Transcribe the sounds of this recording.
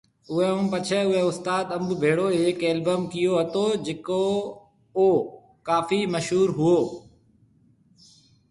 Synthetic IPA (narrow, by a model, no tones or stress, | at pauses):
ʊɦɛ̃ɦʊ̃ːpɐt͡ʃʰɛʊɦɛʊst̪aːd̪ɐmbbʱeːɽoːeːkeːlbəmkɪjoɦɐt̪oːd͡ʑɪko | oː | kaːfiːmɐʃɦuːɾɦʊoː